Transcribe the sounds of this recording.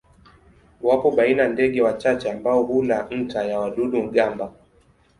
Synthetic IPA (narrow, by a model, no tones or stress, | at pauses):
wapɔɓainandɛɠɛwat͡ʃat͡ʃɛambaɔhulan̩tajawaɗuɗuŋ̩ɠamba